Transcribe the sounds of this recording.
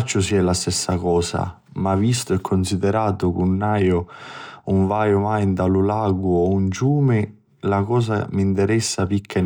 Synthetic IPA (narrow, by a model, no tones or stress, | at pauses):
t͡ʃːʊsiɛlast̪ɛsːakɔːsa̰ | mavist̪ʊɛkʰːʊnsid̪ɛɾaːt̪ʊkunːajʊ | uɱvaːjʊmajnd̪alʊlaːɡʊɔunt͡ʃuːmɪ | lakɔːs̬amint̪ɛɾɛsːapikʰːan